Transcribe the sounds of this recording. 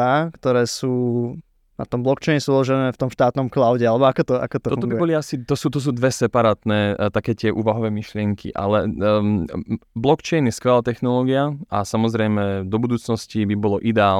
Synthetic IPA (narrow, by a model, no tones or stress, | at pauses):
akt̪ɔɾɛːsuː | na̰t̪ɔmblɔkt͡ʃɛːɲsuulɔʒɛnɛːft̪ɔmʃt̪aːt̪nɔmklaʊɟɛalɛbɔakɔt̪ɔa̰kɔt̪ɔfɔt̪ɔɡbiuɛbɔliasit̪ɔsuːt̪ɔs̬uːd̪ʋɛsɛpaɾaːt̪nɛːt̪akɛːt̪ɪɛʔuːʋaɦɔʋɛːmiʃlɪɛŋkʰḭʔa̰lɛ | blɔkt͡ʃɛjnjɛskʋɛlaːt̪ɛxnɔlɔːɡiaasamɔzɾɛjmɛd̪ɔbud̪uːt͡snɔscibibɔlɔʔid̪ɛaːl